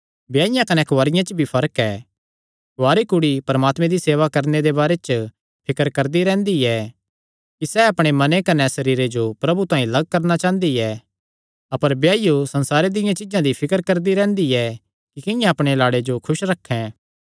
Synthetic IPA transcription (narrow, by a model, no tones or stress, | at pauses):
bjaːɪjãkɐnɛkʊʋaːɾɪjãt͡ʃəbʱipʰɐɾəkɛː | kaːɾikʊɽipɐɾəmaːt̪mɛ̃d̪iseːʋakɐɾned̪ebaːɾet͡ʃ | pʰɪkəɾkɐɾd̪iɾɛ̃ːnd̪iɛ | kisɛɐpɽ̃emɐnekɐnɛsɐɾiːɾed͡ʒopɾɐbut̪ãːĩlɐɡ̚kɐɾnat͡ʃaːə̃nd̪iɛ | ɐpəɾbjaːjosɐ̃nsaːɾed̪ɪ̃jãt͡ʃɪd͡ʒãd̪ipʰɪkəɾkɐɾd̪iɾɛ̃ːnd̪iɛ | kikɪ̃jãɐpɽ̃elaːɽed͡ʒokʰʊʃɾɐkʰːɛ̃ː